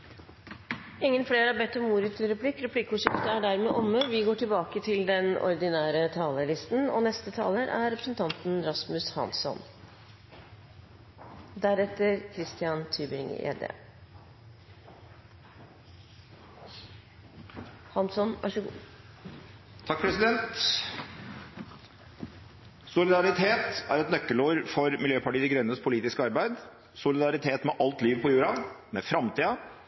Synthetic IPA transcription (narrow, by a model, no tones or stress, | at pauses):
ɪŋːənfɽeːɾəɑbɛt̪ːɔmːuːɾɪt̪ʰlɾɛpʰlɪkɾɛpʰlɪkʊʂɪpt̪əæɖæɾmeːʔɔmːəʋɪɡoːʈʰɪlbɑːkət̪ʰɪld̪ɛnɔ̰ɾd̪ɪnæːɾət̪ʰɑːləɭɪst̪n̩ɔ̰nɛst̪ət̪ʰɑ̰ːləɾʔæɾɾɛpɾəsnt̪ʰɑnt̪nɾɑsmʉshɑ̰nsɔ̰n | d̪æɾɛt̪ːəɾkʰɾɪst̪ɪɑnt̪ʰyːbɪ̰ŋɛ̰ːd̪ḛː | hɑnsɔnʋɑ̰ʂ | t̪ʰːɑk̚pʰɾɛsɪd̪ɛnt̪ | sʊlɪd̪ɑɾɪt̪ʰeːt̪æɾɛt̪nœkːəluːɾfɔɾmɪljøːpɑʈiːd̪ɪɡɾœnːəspʰʊliːt̪ɪskəɑɾbæɪd̪ | sʊlɪd̪ɑɾɪt̪ʰeːt̪mɛʔɑlt̪liːʋpʰɔjʉːɾɑmɛfɾɑmt̪ʰiːɑ